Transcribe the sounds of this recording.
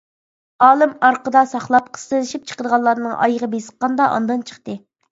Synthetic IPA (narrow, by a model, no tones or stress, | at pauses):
ɑːlˠɨmɑɾqəd̪ɑsɑχlˠɑp̚qʰə̥st̪ɨlɪʃip̚t͡ʃʰə̥qəd̪əʁɑlˠːɑɾnɨŋʔɑ̰jəʁəbesə̥q̚qɑnd̪ɑʔɑ̰nd̪ɑnt͡ʃʰə̥χt̪ɨ